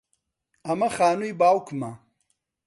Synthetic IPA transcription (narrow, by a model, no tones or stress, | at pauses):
ɐmɐxaːnujbaːwkmɐ